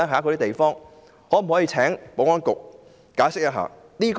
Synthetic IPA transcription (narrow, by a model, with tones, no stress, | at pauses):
a˥ɦaː˨˥kɔ˧ɾiː˦˥t̪e˨jfɔː˥ŋ | hɔː˨˥m̩˨˩hɔː˨˥jiː˧t͡sʰɛː˨˥ŋpo˨˧˥ŋɔː˥nkʊ˨k̚ | kaː˨˥jsɪ˥k̚jɐ˦˥ɦa̰ː˨˩niː˥k